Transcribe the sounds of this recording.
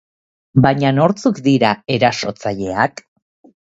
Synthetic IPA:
baɲano̞ɾt͡sukd̪iɾae̞ɾaso̞t͡saʎe̞ak

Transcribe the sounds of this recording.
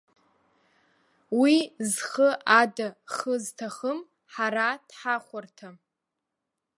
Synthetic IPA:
wizχəʔadaχəztʰaχəm | ħaɾad̥ħaχʷartʰa

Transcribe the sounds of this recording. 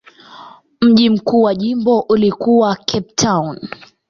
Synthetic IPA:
m̩ʄim̩kuːwaʄimbɔʔulikuwakʰɛp̚tʰawn

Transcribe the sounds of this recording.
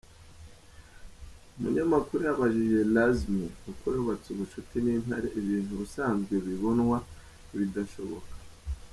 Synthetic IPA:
umṵɲamakuɾujaβaʒiʒe̞lazmeukwoɾuβat͡suβuʃutinin̥aɾeʔiβiːnhuβusaːnzɡeβiβo̞nwa | iβidaʃo̞βo̞̰kḁ

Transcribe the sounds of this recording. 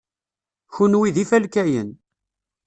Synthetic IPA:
çunwiðifælkæjən

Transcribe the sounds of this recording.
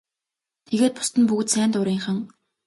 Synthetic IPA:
t̪ʰeɣeːt̪̚pʊ̥st̪ə̆npukt̪sæːnt̪ʊɾiːŋχə̆ŋ

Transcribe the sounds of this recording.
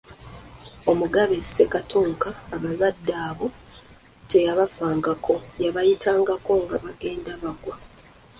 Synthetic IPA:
o̞muɡaβese̞katuːŋkaːβazadːaːβo̞ | te̞jaβafaːŋɡakʰo̞jaβajitʰaːŋɡako̞ŋɡaβaɡe̞ːndaβaɡwa

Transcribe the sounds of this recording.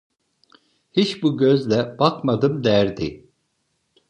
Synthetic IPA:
hit͡ʃbuɟøzlʲɛb̥akmad̪ɯmd̪æɾd̪i

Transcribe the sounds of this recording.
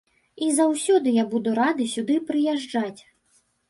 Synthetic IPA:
izawsʲɔd̪ɨjabud̪uɾad̪ɨsʲud̪ɨpɾɨjɛʐd͡ʐat͡sʲ

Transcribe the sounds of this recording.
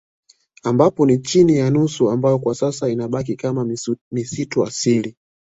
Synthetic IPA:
ambapɔnit͡ʃinijanusuambajɔkwasasainaɓak̬ikamamisitua̰sili

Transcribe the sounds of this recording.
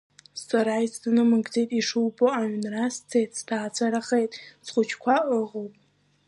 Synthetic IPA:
saɾaisʰtɨnɨmɨɡd͡zejtʼiʂɨwbʼoaɥnrast͡sʰejtʼstʰaːt͡sʷʰaɾaχejtʼsχʷʊt͡ʃʰkʷʰaʔəʁowpʼ

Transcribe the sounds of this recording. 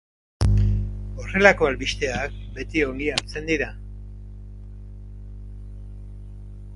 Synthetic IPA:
o̞re̞lako̞alβist̪e̞akbe̞t̪io̞ŋɡiaɾt͡se̞nd̪iɾa

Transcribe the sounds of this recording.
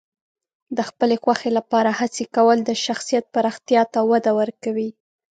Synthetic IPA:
d̪əxpəlexwaxelapɑɾahat͡sekawəld̪əʃaxsijat̪̚paɾɑxt̪jɑt̪awad̪awəɾkawi

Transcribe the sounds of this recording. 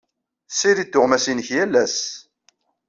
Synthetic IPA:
siɾid̪ːʊʁmæsinəçjælːæs

